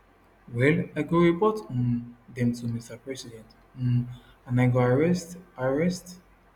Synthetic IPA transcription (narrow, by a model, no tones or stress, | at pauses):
wɛlaɡoɹipɔtɔ̃ndɛ̃mtumistapɹɛsidɛ̃nt | ɔ̃n | anaɡoaɹɛstaɹɛst